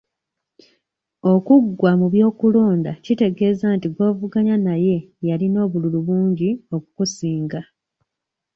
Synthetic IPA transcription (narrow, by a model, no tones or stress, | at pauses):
o̞kuɡːwamuβjo̞ːkuloːndacite̞ɡe̞ːzaːntiɡo̞ːvuɡaɲanaje̞jalino̞ːβululuβuːɲɟio̞ku̥kusiːŋɡa